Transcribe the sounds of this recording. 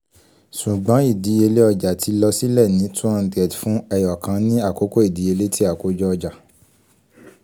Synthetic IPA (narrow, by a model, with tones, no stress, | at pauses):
su˨ɡ͡bã˨˦i˦˨di˨˦e˧le˦ɔ˧d͡ʒa˨tʰi˧lɔ˧si˦lɛ˦˨nĩ˨˦tʰũ˦a˧dɛ˨dfũ˦ɛ˧jɔ˨kã˧˦nĩ˦a˦˨ko˨˦ko˦i˦˨di˨˦e˧le˦ti˦a˦˨ko˨˦d͡ʒɔ˧ɔ˧d͡ʒa˨